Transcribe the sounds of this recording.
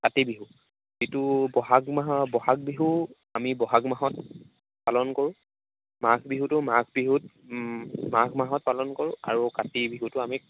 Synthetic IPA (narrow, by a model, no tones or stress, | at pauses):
katibiɦu | zitʊbɔɦaɡmaɦɔbɔɦaɡ̚biɦu | amibɔɦaɡmaɦɔt̚ | palɔnkoɹʊ̃ | maɡʱbiɦutʊmaɡbiɦut | maɡʱmaɦɔt̚palɔnkoɹʊ̃a̰ɹukatibiɦutʊami